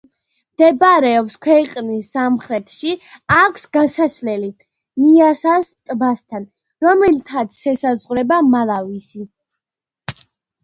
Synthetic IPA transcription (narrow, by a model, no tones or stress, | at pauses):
md̪̥ɛbaɾɛɔpskʰwɛqʼnisːamχɾɛt̪ʰʃiakʷʰsɡasaslɛli | miasast̪ʼbast̪ʰan | ɾɔmɛlt̪ʰat̪sʰɛsazʁɾɛbamalˠavisi